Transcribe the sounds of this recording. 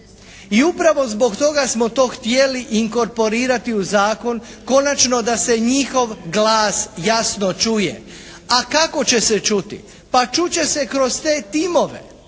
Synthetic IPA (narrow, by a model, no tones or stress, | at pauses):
iupɾaʋo̞zbo̞kt̪o̞ɡasmo̞t̪o̞ːxt̪jeliʔiŋko̞ɾpo̞ɾiːɾat̪iuzaːko̞n | ko̞nat͡ʃno̞d̪ase̞ɲixo̞ʋɡlaːsjasnot͡ʃujḛ | akako̞t͡ɕe̞set͡ʃut̪ḭ | pat͡ʃut͡ɕe̞se̞kɾo̞st̪eːt̪imo̞ʋe̞̰